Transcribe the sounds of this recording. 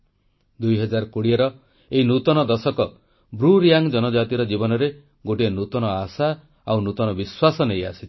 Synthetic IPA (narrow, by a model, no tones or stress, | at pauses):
d̪ujɦɔd͡ʒaɾkoɽieɾɔ | einut̪ɔnɔd̪ɔsɔkɔ | bɾuɾijaŋd͡ʒɔnɔd͡ʒat̪iɾɔd͡ʒibɔnɔɾe | ɡoʈienut̪ɔnɔasa | awnut̪ɔnɔbiswasɔnejasi̥t̪ʰ